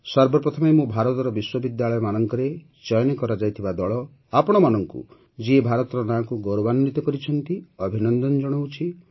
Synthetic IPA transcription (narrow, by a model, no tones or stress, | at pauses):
sɔɾbɔpɾɔt̪ʰɔmemũbʱaɾɔt̪ɔɾɔbiswɔbid̪jaɭɔjɔmanɔŋkɔɾe | t͡ʃɔjɔnekɔɾad͡ʒajt̪ʰibad̪ɔɭɔ | apɔɽ̃ɔmanɔŋkṵ | d͡ʒiebʱaɾɔt̪ɔɾɔnaːkuɡɔɾɔbanːit̪ɔkɔɾit͡ʃʰɔnt̪iɔbʱinɔnd̪ɔnd͡ʒɔɽ̃owt͡ʃʰi